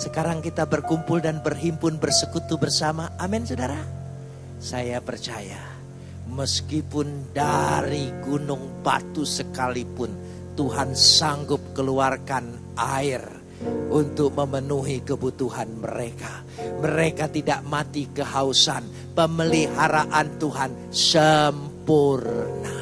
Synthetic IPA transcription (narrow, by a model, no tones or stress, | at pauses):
səkaɾaŋkit̪abərkumpʊldanbərɦimpʊnbərsəkut̪ubərsamaʔːmɛnsodaɾa | sajapərt͡ʃaja̰ | məskipʊndaɾiɡunʊŋba̰t̪usəkalipʊn | t̪uɦansaŋɡʊp̚kəluarkan | ʔaɪr | unt̪ʊk̚məmənuɦikəbut̪uɦanmə̰ɾeka | məɾekat̪idaʔmat̪ikəɦausan | pəməliɦaɾaʔant̪uɦan | səmpʊrna